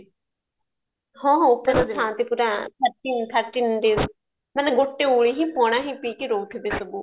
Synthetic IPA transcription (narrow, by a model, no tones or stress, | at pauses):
hɔ̃ːɦõpuɾãːstʰãːt̪epuːɾãːt̪ʰəɾʈiːnt̪ʰəɾʈiːnɖeːz | mənɡoʈːeːuːɭiːɦĩːpɔ̃ːɽ̃ãːɦĩːpiːkɪɾoːkʰb̪eːsəbuː